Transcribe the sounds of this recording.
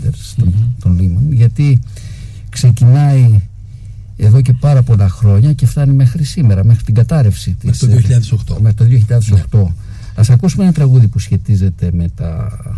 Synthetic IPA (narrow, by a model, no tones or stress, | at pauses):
d̪eɾst̪ot̪onlimonʝɐt̪i | kse̞cinɐi | e̞ðo̞ce̞pɐɾɐpo̞lɐxɾo̞ɲɐce̞ft̪ɐnime̞xɾisime̞ɾɐmexɾit̪iɡɐt̪ɐɾe̞fsit̪ioðioçiʎɐðesokt̪omexɾit̪oðjioçiʎɐðesokt̪o̞ | ɐsɐkusumenɐt̪ɾɐɣuðipusçe̞t̪ize̞t̪e̞me̞t̪ɐ̰